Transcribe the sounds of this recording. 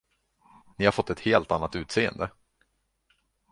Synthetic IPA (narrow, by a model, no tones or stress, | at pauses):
nɪhaɾfɔt̪ːɛt̪heːlt̪anːat̪ʉ̟ːt̪seːə̰nd̪ə